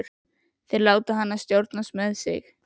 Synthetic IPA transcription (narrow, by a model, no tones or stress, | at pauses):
ɾ | θɪɾlaːwt̪aɦanːast̪jowɾt̪nast̪mɛðsɪ̰x